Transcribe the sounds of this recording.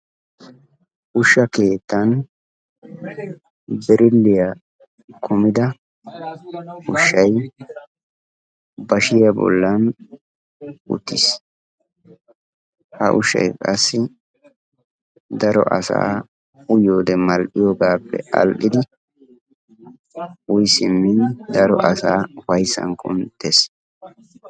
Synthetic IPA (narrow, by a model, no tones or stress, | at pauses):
ʔʊʃɐke̞ːt̪ːɐn | bɛɾʔɪlːɪja | kʰɔmɪd̪ɐ | ʊʃːɐj | bɐʃɪjɐbɔ̰lːɐn | ʔʊ̰t̪ːis | hɐ̰ʔʊʃːɐ̰jkʼɐsːɪ | d̪ɐɾɔ̰ʔɐsa̰ː | ʊjoːd̪ɛmɐlʔɪjoːɡaːpːɛ̰ɐ̰lʔɪd̪ɪ | ʊjsɪmːɪnd̪ɐɾɔ̰ʔɐsaːwɐjsɐ̰ŋkʰʼɔ̰mt̪ɛs